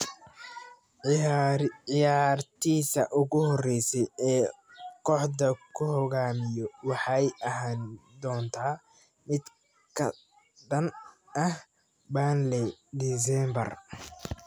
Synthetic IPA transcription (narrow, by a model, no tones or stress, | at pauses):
ɪjaːrt̪ʰiːsɐʔʊɣʊhɔrːɛjsɛjɛː | kʰɔːħdɐkʰʊhɔɣaːmɪjɔwɑħɑjɐɦaːnd̪ɔːnt̪ʰaː | mɪd̪ | kʰɐ̰ | ɖɐn | ʔɐh | baːnlɛd̪is̬ɛmbɐ̰r